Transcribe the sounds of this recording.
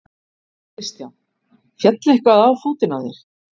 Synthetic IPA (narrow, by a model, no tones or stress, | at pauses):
ɪst̪ja | fjɛt̪lehkvaðaːwfoːt̪ɪnaðɪ̰ɾ̥